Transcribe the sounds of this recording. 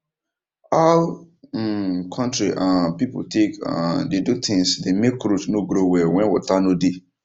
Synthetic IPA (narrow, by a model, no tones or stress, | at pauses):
a | kʰɔ̃ntɹiʔãpipo̰tʰekã̰dedutʰĩŋsdemekɾutnoɡɾowɛwɛ̃nwɔ̰tanode